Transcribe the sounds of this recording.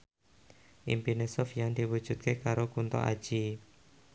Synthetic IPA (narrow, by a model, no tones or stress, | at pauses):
ʔḭmpinesɔfjaŋd̪̥iwud̥ʒ̥ṳt̪̚kekaɾokunt̪ɔ̰ʔa̰d̥ʒ̥i